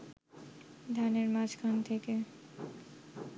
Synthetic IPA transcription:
d̪ʱaneɾmad͡ʑkʰant̪ʰeke

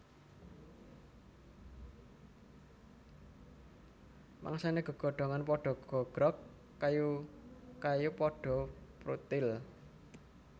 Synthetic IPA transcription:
mʔa̰ŋsaneɡ̥ɔ̤ɡ̥ɔ̤ɖ̥ɔ̤ŋanpɔɖ̥ɔ̤ɡ̥ɔ̤ɡ̥ɾɔkː | aju | kajupɔɖ̥ɔ̤pɾṵt̪ɪl

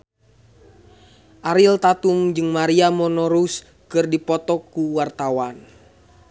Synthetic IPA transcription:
ʔaɾilt̪at̪umd͡ʒɨŋmaɾiamɔnɔɾus | kɨrdipɔt̪ɔkuwart̪awan

